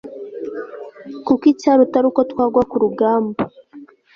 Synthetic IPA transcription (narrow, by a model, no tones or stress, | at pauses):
kukicaɾutaɾukotwaːɡwakuɾuɡaːmbo